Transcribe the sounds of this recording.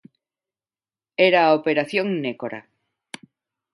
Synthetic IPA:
eɾaopeɾaθjoŋnekoɾa̰

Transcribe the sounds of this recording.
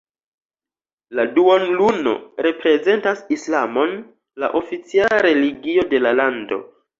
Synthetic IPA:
laduonluno̞̰ɾe̞pɾe̞ze̞ntasislamo̞n | la̰ʔo̞fit͡sialaɾe̞liɡio̞de̞lalando̞̰

